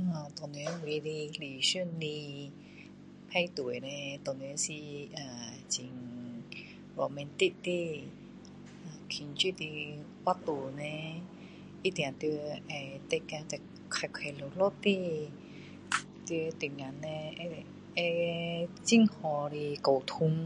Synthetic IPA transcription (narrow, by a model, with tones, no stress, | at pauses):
ã˨˩t̪ɔ˨˩ni˧˦wi˧˦ɾi˧li˨˩ɕu˥˨nli˧ | pʰa˥˧jt̪u˨nẽ˧t̪ɔ˨˩ne˧˦si˧ʔa˨˩ | t͡ɕi˨˩ŋ | wɔ˨mɛ˧nt̪i˦˧ʔt̪i˧˨ | a˨˩kʰi˧˨˩nt͡ɕi˥˧˨t̪i˧wa˦˥t̪u˨˩nẽ˧ | i˦˥t̪jã˨˩t̪i˧ʔa˧˩t̪e˧˨kã˧t̪a˨˩ | kʰa˨˧˩jkʰa˨˧˩lo˨˩lo˥˨t̪i˥˧˨ | t̪i˧t̪i˨˩ŋa˨˦nːẽ˧e˧˨ | e˧ | t͡ɕi˥˨ŋhɔ˧ɾi˧ko˨˩wt̪ʰu˧ŋ